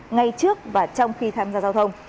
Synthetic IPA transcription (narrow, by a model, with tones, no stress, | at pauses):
ŋa˧jt͡ɕɨ˦˥ək̚vaː˨˩t͡ɕɔ˧wŋ͡mxi˧t̪ʰaː˧mzaː˧zaː˧wt̪ʰə˧wŋ͡m